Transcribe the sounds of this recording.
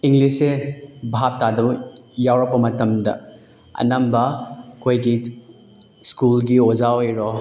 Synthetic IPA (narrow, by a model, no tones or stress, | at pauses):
iŋɡlisebʱap̚tadɐbjawɾɐpːɐmɐtɐmdɐ̰ | ɐ̰nambɐkʰojɡi | skulɡiozaojɾɔ